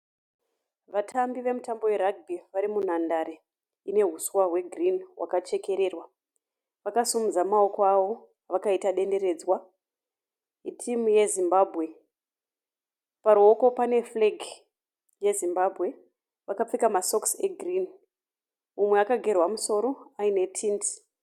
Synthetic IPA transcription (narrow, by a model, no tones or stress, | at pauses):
ʋatʰambiʋe̞mutambo̞we̞ɾaɡ̚bʱiʋaɾimun̤andaɾi | ine̞ɦuswaɦwe̞ɡrinwʔa̰kat͡ʃe̞ke̞ɾe̞ːrwa | ʋakasumud͡zamao̞koaʋo̞ | ʋakaitaɗe̞nde̞ɾe̞d͡zwa | itʰimuje̞zimbaːbʱɣe̞ | paɾuo̞ko̞pane̞fleɡʱi | je̞zimbabʱɣe̞ | ʋakap͡fikamaso̞kseɡʱrin | umwe̞akaɡʱe̞rwamuso̞ɾo̞aine̞tʰinti̥